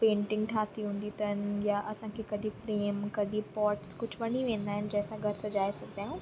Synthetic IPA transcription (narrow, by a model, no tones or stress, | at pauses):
pẽːɳʈɪ̃ŋɡʈʰaːt̪iɦũːn̆d̪it̪ɐnɪ̆jaʔɐsãkʰeːkɐɖʱĩfɾeːmkɐɖʱĩpɔːɾʈskʊd͡ʑʱʋɐniʋẽːn̆d̪aːɦɪnɪ̆d͡ʑɛ̃ːsãɡʱɐɾsɐd͡ʑaːesɐɡd̪aːɦũː